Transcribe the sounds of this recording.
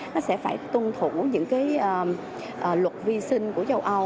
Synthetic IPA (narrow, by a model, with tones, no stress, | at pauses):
nɔ˨˦sɛ̰˧˥faː˧˩jt̪u˧nt̪ʰṵ˧˩ɲɨ̰˧˥ŋkaː˨˦jʔəː˨˩ | ʔəː˨˩lwə˨˩t̚vi˧sï˧ŋ̟ku˧˩əzə˧wʔə˧w